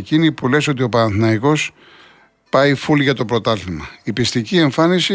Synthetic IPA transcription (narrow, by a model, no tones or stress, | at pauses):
cinipule̞so̞t̪̬io̞pɐɐnθnɐiko̞s | pɐifulʝɐt̪o̞pɾo̞t̪ɐlimɐipist̪icie̞ɱfɐnisi